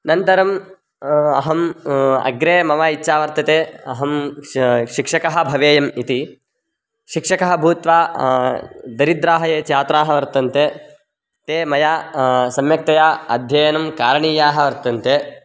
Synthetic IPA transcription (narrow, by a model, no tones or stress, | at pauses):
nɐnt̪ɐɾɐm | ɐ̰ɦɐmɐ̰ɡɾeːmɐʋaːitːʃaːʋɐɾt̪ɐt̪eːɐɦɐm | ʃikʂɐkɐɦɐ̆bʱɐʋeːjɐmit̪i | ʃikʂɐkɐɦɐ̆bʱuːt̪ʋaː | d̪ɐɾid̪ɾaːɦɐjeːt͡ʃaːt̪ɾaːɦɐʋɐɾt̪ɐnt̪eː | t̪eːmɐjaːsɐmjɐk̚t̪ɐjaːɐd̪ʱjɐjɐnɐmkaːɾɐɳiːjaːɦɐ̆ʋɐɾt̪ɐnt̪eː